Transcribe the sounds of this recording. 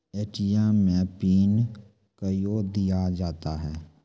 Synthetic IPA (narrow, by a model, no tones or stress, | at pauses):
eːʈijɛmːẽpiːn | kəjod̪ijad͡ʒaːt̪aɦɛː